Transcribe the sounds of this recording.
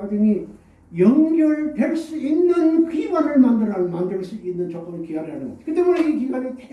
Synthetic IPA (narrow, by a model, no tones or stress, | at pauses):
dɯni | jʌŋɡjʌɭtweɭs͈uinːɯnkibanɯɭmandɯɾanmandɯɭs͈uinːɯnt͡ɕʌk͈ʌmikiaɾiɦanɯŋɡʌ̰d͡ʑi̥kɯt̬͈emuneikiŋɡanetʰ